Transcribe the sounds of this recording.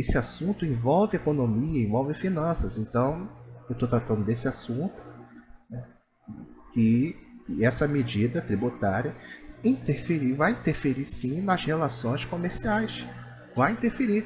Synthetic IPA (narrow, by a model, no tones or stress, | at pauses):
esɪasũnt̪ʊẽvɔwvɪekonõmiɐẽvɔwvɪfinɐ̃sɐzẽnt̪ɐ̃w̃ewt̪ot̪ɾat̪ɐ̃nd̪ʊd̪esɪasũnt̪ʊ̥nɛ | kɪ | ɛsɐmed͡ʒid̪ɐt̪ɾibut̪aɾiɐĩt̪eɾfeɾivajĩnt̪eɾfeɾisĩnɐzhelasõj̃skõmeɾsiajs | vajĩnt̪eɾfeɾi